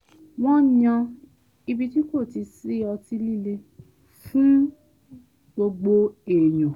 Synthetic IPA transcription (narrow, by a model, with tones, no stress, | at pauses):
w̃ɔ̃˦ɲã˧ | i˧bi˧ti˦ko˦˨ti˧si˦ɔ˧ti˧li˦le˧ | fũ˦ | ɡ͡bo˧ɡ͡bo˧e˨jũ˨